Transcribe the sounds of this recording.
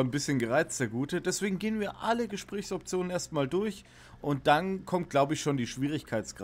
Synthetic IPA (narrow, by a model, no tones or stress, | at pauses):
nbɪsçənɡəʁaɪt͡st͡sɛɐɡuːtəd̥ɛsv̥eːɡŋ̩ɡeːənviːɐʔaləɡəʃpʁ̥ɛːçsɔp̚t͡sjoːnənʔeːɐstmaːldʊɐç | ʔʊnt̚d̥ankʰɔmt̚ɡ̥laʊbəɪçʃoːndiːʃv̥iːʁ̞ɪçkʰaɪt͡sɡ̥